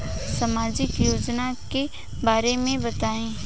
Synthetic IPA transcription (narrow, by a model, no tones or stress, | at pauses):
sɐmaːd͡ʒɪkjoːd͡ʒnake | baːɾemẽbɐt̪aːẽː